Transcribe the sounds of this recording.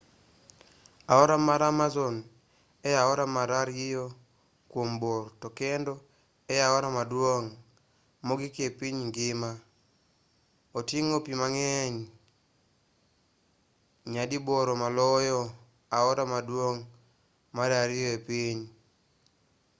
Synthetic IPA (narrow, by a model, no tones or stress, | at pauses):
aɔɾamaɾamazɔn | ɛjaɔɾamaɾaɾjɪjo | kwombortɔkɛndɔ | ɛjaɔɾamadwoŋ | moɡikepiɲŋɡɪma | otiŋopimaŋɛɲ | ɲadiboɾomalɔjɔ | aɔɾamadwoŋ | madaɾɪjoepiɲ